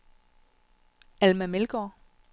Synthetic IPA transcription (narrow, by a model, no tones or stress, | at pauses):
ælmæmelɡ̥ɒ